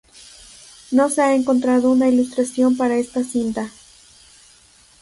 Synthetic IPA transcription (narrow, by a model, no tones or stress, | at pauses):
no̞se̞ae̞ŋko̞nt̪ɾaðo̞unailust̪ɾasjo̞mpaɾae̞st̪asint̪a